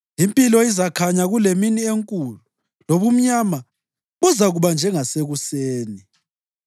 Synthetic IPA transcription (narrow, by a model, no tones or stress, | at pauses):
impʼilɔizakʰaɲaɣuleminieŋkʼulu | loβum̩ɲama | βɔzaɣuβand͡ʒʱɛŋaseɣuseːni